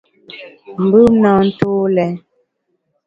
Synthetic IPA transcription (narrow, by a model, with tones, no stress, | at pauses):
m̩˨bʉ˦mnɔ˨n̩˦tu˦lɛ˨˦